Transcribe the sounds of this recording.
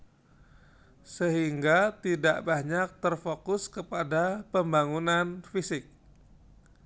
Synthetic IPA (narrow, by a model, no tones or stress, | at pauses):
səɦiŋɡat̪idaʔbaɲak̚t̪ərfokʊskəpadapəmbaŋunanfisɪk̚